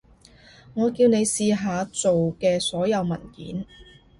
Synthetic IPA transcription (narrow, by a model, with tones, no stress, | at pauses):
ŋɔː˨˧kiː˧wne˨˧jsiː˨ɦaː˨˧t͡so˨wkɛː˧sɔː˨˥jɐ˨˧wmɐ̰˨˩nkḭː˨˥n